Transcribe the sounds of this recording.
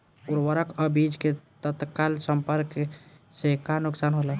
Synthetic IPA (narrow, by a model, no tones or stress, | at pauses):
uɾʋəɾəkəbid͡ʒket̪ət̪kalsəmpəɾk | sekanʊksaːnɦola